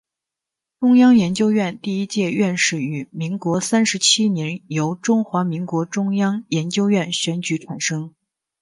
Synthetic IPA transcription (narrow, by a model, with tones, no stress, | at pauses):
ʈ͡ʂʊ˥ŋjɑ˥ŋjɛ˧˥nt͡ɕjo˥ʊɥɛ˥˧nt̪i˥˩i˥t͡ɕjɛ˥˧ɥɛ˥˧nʂɻ̩˥˩y˨˩mi˧˥ŋkwɔ˧˥sa˥nʂɻ̩˧˥t͡ɕʰi˥njɛ˧˥njo˧˥ʊʈ͡ʂʊ˥ŋxwa˧˥mi˧˥ŋkwɔ˧˥ʈ͡ʂʊ˥ŋjɑ˥ŋjɛ˧˥nt͡ɕjo˥ʊɥɛ˥˩nɕɥɛ˧˥nt͡ɕy˧˥ʈ͡ʂʰa˨˩nʂɤ˥ŋ